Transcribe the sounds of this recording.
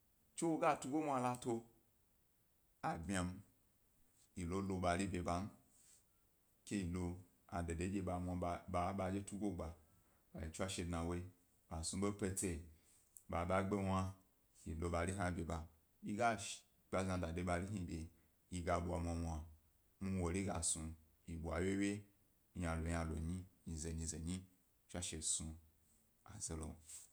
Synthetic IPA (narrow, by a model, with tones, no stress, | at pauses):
t͡ʃe˦wo˦ɡa˦tu˦ɡo˦mʷ˦a˧la˧to˧ | a˨bʲia˧m | i˨lo˦lo˧ɓa˧li˦bʲe˧ba˨n̩˦ | kʲe˦i˨lo˧ | a̰˨de˨de˨˦d͡ʒe˧ɓa˨mʷa˧˨a˨˦ɓa˧d͡ʒe˦tu˦ɡo˦ɡ͡ba˨ | ba˨i˨t͡ʃu˦a˦ʃe˧dna˨wo˦i˦ | ba˨su˧bo˦pe˧te˧˨ | ba˨ba˦ɡ͡be˦wa˦ | ji˨lo˨˧ba˨li˦ɦã˦bʲe˨ba˨ | i˦ɡa˦ | k͡pʲa˧zã˧da˨de˦ba˧li˦ɦi˧bʲe˨ | ji˧ɡa˧bo˨a˨mʷ˧a˨˧mʷ˧a˨ | mu˦wo˨li˦ɡa˨su˧ | ji˨bu˨a˨wje˦we˦˨ | jã˨lo˨ja˨lo̰˨ɲi˦ɲi˨ze˨ɲĩ˧ze˨ɲi˦ | t͡ʃʷa˦ʃe˨su˧ | a̰˨ze˨lo̰˨